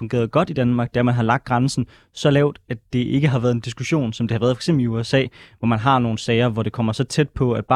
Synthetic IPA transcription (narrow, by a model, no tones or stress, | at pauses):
fɔ̽ŋɡe̝̰ːɐðˠɡ̥ɒ̽d̥id̥ænmɑ̈ːɡ̥̚d̥ææɐmænɦɑ̈lɑ̈ɡ̥̚d̥ʁɑ̈nsn̩ | sɒ̽lɛːʊd̥æd̥e̝ʔe̝ɡ̥əɦɑ̈ʋæɐð̞̩ˠe̝nd̥isɡ̥uɕo̝̰ːnsɒ̽md̥e̝hɑ̈ʋæːɐðˠfɑ̥ɡ̥sḛmb̥liuesɛ̰ːʋɒmænɦɑ̈no̝ːn̩sɛːɪɐʋɒɾ̥e̝kʰɒ̽m̰ɐsɒ̽t͡sʰed̥̚pʰɒ̽æd̥b̥ɑ̰